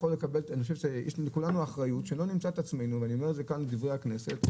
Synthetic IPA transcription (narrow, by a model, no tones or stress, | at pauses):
χolːekabelanioʃeʃejɛ̰ʃkulanuaχʁajutʃelo̞nimt͡sat̪at͡smejnuveaniome̞ezekanled̪ivʁehakne̞se̞t̪